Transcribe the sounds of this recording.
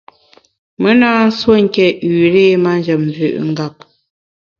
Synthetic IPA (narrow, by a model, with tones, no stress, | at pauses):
mə˦naː˦n̩˦swo˦ŋ̩˨kɛ˨ʉː˨ɾe˦˨ma˦n˦d͡ʒə˨mnzʉ̰˨ʔŋ̩˦ɡa˦˨p̚